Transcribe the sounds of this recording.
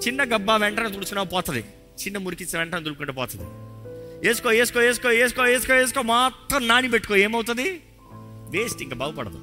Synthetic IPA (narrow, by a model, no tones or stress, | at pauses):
t͡ʃinːɐɡɐbːaːʋɛɳʈɐnɐt̪uːt͡ʃunaːpɔːt̪ɐd̪ḭ | t͡ʃinːɐmuɾikit͡ʃːɐʋɛɳʈɐnɐt̪uluukuɳʈepɔːt̪ɐd̪ḭ | eːsu̥koːeːs̬ukoːeːs̬u̥koːeːs̬ukoːeːs̬u̥koːeːs̬u̥koːmaːt̪ɾɐmnaːnip̬eʈːu̥koeːmɐwt̪̬und̪i | ʋeːsʈiŋkabaːɡupɐɽɐd̪ṵ